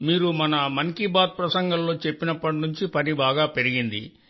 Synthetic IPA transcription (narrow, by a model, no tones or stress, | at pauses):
miːɾumɐnɐmɐŋkibaːd̪̚pɾɐsɐŋɡɐllo̞ːt͡ʃepːinɐpːɐʈinuɲt͡ʃipɐnibaːɡaːpe̞ɾiɡind̪ḭ